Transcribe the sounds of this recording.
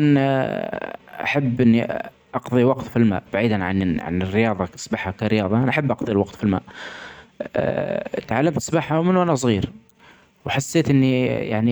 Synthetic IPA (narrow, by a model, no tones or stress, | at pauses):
ʔan | ʔa̰ħabːʔɪnːi | ʔɑqðˤiwɑqt̪filma̰ːʔb̥aʕiːd̪anʕa̰nʕa̰nɪrːɪjɑːðˤɑsˤbaħhakaɾɪjɑːðˤɑʔanaʔaħabːʔɑqðˤilwɑqt̪filma̰ːʔ | t̪ʕalːamt̪sbaħhawmɪnːuʔanas̬ˤɣiːɾ | wħasːeːt̪ʔɪnːija̰ʕni